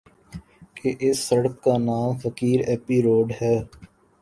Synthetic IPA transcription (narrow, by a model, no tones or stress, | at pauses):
keʔɪsːəɽəkːaːnaːmfəkiːɾɛːpiːɾoːɖɦɛː